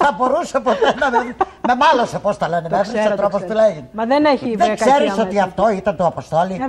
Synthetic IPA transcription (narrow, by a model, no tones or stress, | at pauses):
θɐbo̞ɾusepot̪enɐmei | me̞mɐlosepost̪ɐlenemefiset̪ɾopost̪ulɐiðeneçiðeŋksseɾisot̪iɐft̪oit̪ɐnt̪oɐpost̪o̞li